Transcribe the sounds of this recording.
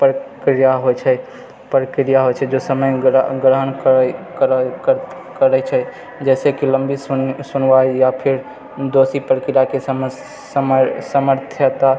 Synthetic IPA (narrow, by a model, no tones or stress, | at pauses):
pɾəkɾijaɦojt͡ʃʰɛ | pɾəkɾijaɦojt͡ʃʰɛd͡ʒosəməjɡɾəɦənkkɾkə | kəɾɛjt͡ʃʰɛ | d͡ʒɛsekiləmbissunʋajjapʰiɾ | d̪osipɾəkɾijakesm | səməɾt̪ʰjət̪a